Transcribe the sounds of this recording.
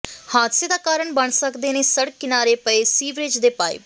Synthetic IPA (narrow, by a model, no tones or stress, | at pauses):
haːt̪seːd̪aːkaːɾəɳbəɳsəkd̪eːneːsəɽkːɪnaːɾeːpəeːsiːʋɾed͡ʒd̪eːpaːḛːb